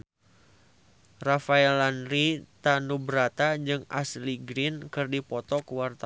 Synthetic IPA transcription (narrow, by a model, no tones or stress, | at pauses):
rafaɛlanrit̪anubɾat̪ad͡ʒɨŋa̰sliɡɾinkɨrdipɔt̪ɔkəwart̪a